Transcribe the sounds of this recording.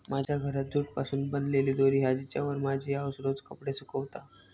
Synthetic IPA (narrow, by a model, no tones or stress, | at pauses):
mad͡ʑʱjaɡʱəɾat̪̚d͡z̪ʱuːʈ̚pasuːnbənd̪leliːd̪oɾiːɦad͡ʑit͡ɕjaʋəɾmad͡ʑʱiːaʋsɾod͡zkəpɽesukəʋt̪a